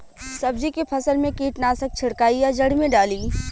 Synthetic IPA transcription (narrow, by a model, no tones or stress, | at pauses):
sɐbd͡ʒikepʰɐsəlmẽkiːʈnaːsək̚t͡ʃʰɪɽkaːijad͡ʒɐɽ̤mẽɖaːliː